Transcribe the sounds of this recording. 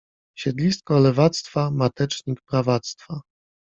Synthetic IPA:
ɕɛd̪lʲist̪̚kɔlɛvat̪st̪famat̪ɛt͡ʂɲikpɾavat̪st̪fa

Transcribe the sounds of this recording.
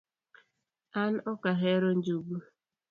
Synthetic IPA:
an̩ʔɔkaɦeɾon̩d͡ʒuɡ͡bu

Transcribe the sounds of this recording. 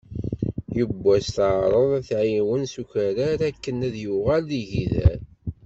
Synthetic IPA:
jəbːæsθʕɾˤəðˤæθʕiwənsuçæɾaɾækːənæðjuʁælːiʝiðæ̰ɾ

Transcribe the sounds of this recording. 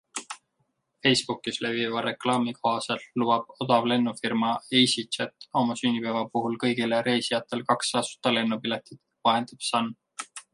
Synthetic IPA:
fe̞jspukːisle̞vivɑɾe̞klɑːmiko̞ɦɑse̞lːubɑb̥̚od̪̥ɑvle̞nːufirmɑejsit͡ʃet̪ːˑɑmɑsynːipevɑpuɦulkɤ̞jɡ̥ile̞ɾe̞jsijɑt̪ːˑe̞lkɑksːɑsu̥t̪ːˑɑle̞nːupile̞t̪ˑid̪̥ | vɑɦe̞nd̪̥eb̥sɑnː

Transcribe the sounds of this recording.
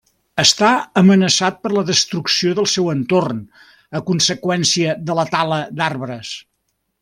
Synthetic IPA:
əst̪aəmənəsat̪̚pəɾləðəst̪ɾuksioðəlˠsɛwənt̪orn | əkunsəkwɛnsiəðələt̪aləd̪arβɾəs

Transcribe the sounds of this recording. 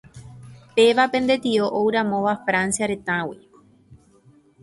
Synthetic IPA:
pe̞ʋapẽ̞nd̪e̞t̪ioʔowɾãmõʋafɾansjaɾe̞t̪ãwi

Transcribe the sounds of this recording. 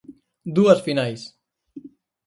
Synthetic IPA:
d̪uəsfinajs

